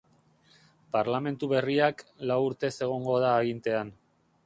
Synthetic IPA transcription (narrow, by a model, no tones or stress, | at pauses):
paɾlame̞nt̪uβe̞riaklawuɾt̪e̞se̞ɣ̞o̞ŋɡo̞ðaːɣint̪e̞an